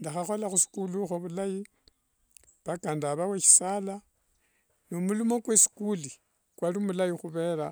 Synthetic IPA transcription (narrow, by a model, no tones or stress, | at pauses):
ndaxaxo̞laxusi̥kuluxoβulaji | βakandaβaweʃi̥sala | nomulumo̞kwesi̥kuli | kwalumulajixuβe̞ːɾa